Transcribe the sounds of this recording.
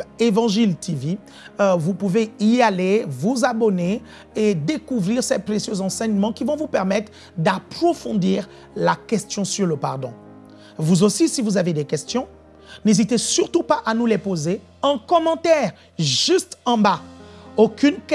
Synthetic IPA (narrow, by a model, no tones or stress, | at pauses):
evɑ̃ʒilt̪ivi | vupuveialevuzabɔne | ed̪ekuvʁiʁsɛpχesjøzɑ̃sɛɲmɑ̃kʲivɔ̃vupɛʁmɛt̪χ | d̪apχɔfɔ̃d̪iːʁ | lakʲɛst̪jɔ̃syʁləpa̰ʁd̪ɔ̰̃ | vuzosisivuzaved̪ɛkʲɛst̪jɔ̃ | nezit̪esyʁt̪upaʔanulepoze | ɛ̃kɔmɑ̃t̪ɛʁ | ʒyst̪ɑ̃baokʲynk